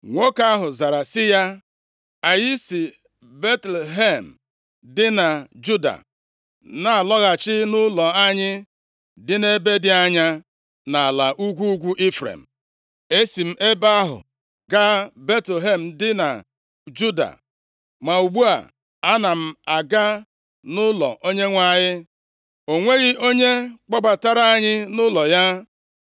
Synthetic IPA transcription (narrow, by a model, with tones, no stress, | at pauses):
ŋʷo˦ka˦ɦʊ˨za˨ɾa˨sɪ˦ja˦ | a˨jɪ˦si˨ | be˦tle˨ɦe˦˨m̩˨ | dɪ˦na˨d͡ʒu˦da̰˨ | na˨a˨lɔ˦ɣa˨t͡ʃɪ˦nʊ˦lɔ˨a˦ɲɪ˦ | dɪ˦ne˦be˦dɪ˦a˦ɲa˦ | na˨la˨ʔu˦ɡʷu˦ɡʷu˦ʔi˦fɾḛ˨m̩˨ | e˦si˨m̩˦ʔe˦ba˦a˦ɦʊ̰˨ | ɡa˦be˦tle˨ɦe˨m̩˨dɪ˦na̰˨ | d͡ʒu˦da̰˨ | ma˨u˨ɡ͡bu˦a̰˨ | a˦na˨m̩˨a˨ɡa˦ | nʊ˦lɔ̰˨ʔo˦ɲe˦ŋʷa˦˨ɲɪ˦ | o˨ŋʷe˦ɣɪ˦ʔo˦ɲe˦k͡pɔ˦ɡ͡ba˨ta˦ɾa˦a˦ɲɪ˦nʊ˦lɔ˨ja˦